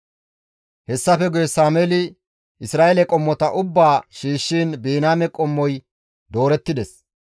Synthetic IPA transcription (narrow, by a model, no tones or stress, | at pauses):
hɛsːɐfɛɡʊjɛsaːmɛlɪ | ʔɪsɾaːʔelɛkʼɔmːɔt̪ɐʔʊbːaːʃiːʃːiːnbiːnaːmɛkʼɔmːɔj | d̪o̞ːɾɛt̪ːɪd̪ɛs